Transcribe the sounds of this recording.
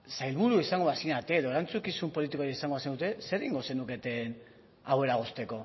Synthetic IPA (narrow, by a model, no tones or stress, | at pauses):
sajlβuɾuisaŋɡo̞asinat̪e̞ðo̞eɾant͡sukisumpo̞lit̪̬ikoɾiisaŋɡo̞asind̪ut̪e̞se̞ɾiŋɡo̞se̞nuke̞t̪e̞n | awe̞ɾaɣ̞o̞st̪e̞ko̞